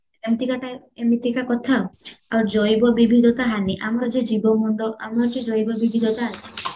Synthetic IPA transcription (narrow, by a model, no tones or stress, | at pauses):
ɾemt̪ikaʈa | emit̪ʰikakɔt̪ʰaaɔɾd͡ʒɔjbɔbibʱid̪ɔt̪aɦaniʔamaɾɔd͡ʒed͡ʒibɔmɔɳɖɔʔamaɾɔʈid͡ʒɔjbɔbibʱid̪ɔt̪aːt͡ʃʰi̥